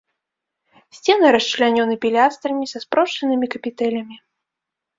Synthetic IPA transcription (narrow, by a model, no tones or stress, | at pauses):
sʲt͡sʲɛnɨɾɐst͡ʂlʲanʲɔnɨpʲilʲast̪ɾɐmʲisɐspɾɔʂɐnɨmʲikɐpʲit̪ɛlʲɐmʲi